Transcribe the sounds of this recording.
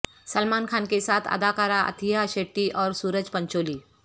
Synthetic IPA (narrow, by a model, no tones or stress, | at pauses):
səlmankʰankesat̪ʰə̰d̪akaɾaʔə̰t̪ʰiɦaɕeʈːiʔɔːɾsuːɾəd͡ʑpəɲt͡ɕoliː